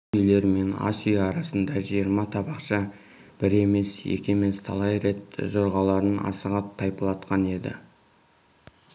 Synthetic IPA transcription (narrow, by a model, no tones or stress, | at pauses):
ʏjle̞ɾme̞na̰sijːɾɑsənd̪ɑʒijəɾmɑt̪ʰɑbɑqʃɑ | b̥ɪɾe̞me̞sjḛkʲe̞me̞st̪ʰɑ̰lˠɑjɾe̞t̪ʒoɾʁɑlˠɑɾənɑ̰səʁɑt̪ʰːɑjpəlˠɑt̪qɑne̞d̪ɪ̰